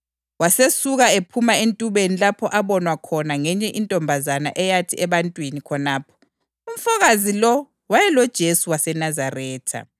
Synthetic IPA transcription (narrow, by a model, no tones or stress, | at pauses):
wasesuɣaepʰumaentʼuβenilapʰɔʔaβɔnwakʰɔnaŋɛɲɛʔintʼɔmbʱazana̰ʔɛjatʰiɛβantʼwinikʰɔnaːpʰɔ̥ | um̩faɣazilɔ | wajɛlɔd̥ʒ̥ʱesuwasɛnazarɛːtʰa̰